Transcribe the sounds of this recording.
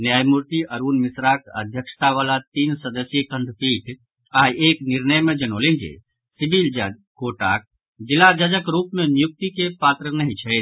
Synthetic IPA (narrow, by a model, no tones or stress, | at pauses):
njaːjmuɾt̪iəɾunmisɾakə̰d̪ʱjəkʃt̪aʋalat̪iːnsəd̪əsjəkəɳɖ̪piʈ | aːjʔeːknɪɾnəjmẽd͡ʒənolend͡ʒḛ | sibild͡ʒakoʈak̚ | d͡ʒɪlad͡ʒəd͡ʒəkɾuːpmenjuk̚t̪ikepat̪ɾənəɦĩt͡ʃʰɛ